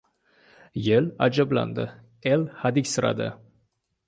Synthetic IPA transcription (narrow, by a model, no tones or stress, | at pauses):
jelad͡ʒɑblˠɑ̰nd̪ə̰ | elhad̪ikʲsɨɾɑ̰d̪ə̰